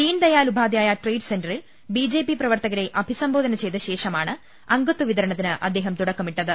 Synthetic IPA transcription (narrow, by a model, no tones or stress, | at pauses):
t̪iːnd̪ɐjaːlubʱaːd̪jaːjɐʈrejɖse̞ndɐril | biːd͡ʑe̞ːpiprɐʋɐrt̪ɐɣɐɾe̞ʔɐbʱisɐmboːd̪ʱɐnɐt͡ɕe̞jt̪ɐɕe̞ːʂɐmaːɳɨ | ɐŋɡɐt̪ːuʋiðɐɾɐɳɐt̪ːinɨʔɐ̰d̪ːe̞ːɦɐmt̪uɽɐkːɐmiʈːɐðɨ